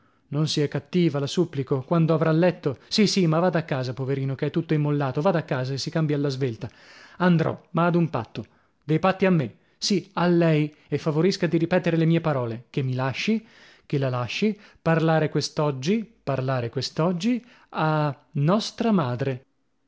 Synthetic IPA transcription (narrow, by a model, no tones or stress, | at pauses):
nonsiɛkːat̪ːiːvalasupːlikokwand̪oavɾalːɛt̪ːosisimavaːd̪akːaːzapoveɾiːnokeɛt̪ːut̪ːoimːolːaːt̪ovaːd̪akːaːzaesːikambjaalːazvelt̪a | and̪ɾɔ̰maːd̪umpa̰t̪ːo | d̪ejpat̪ːiamːe | sialːɛj | efːavoɾiskad̪iɾipɛːt̪eɾelemiːepaɾɔːlekemːilaʃːi | kelalaʃːiparlaːɾekwest̪ɔd͡ʒːiparlaːɾekwest̪ɔd͡ʒːi | a | nːɔst̪ɾamaːd̪ɾe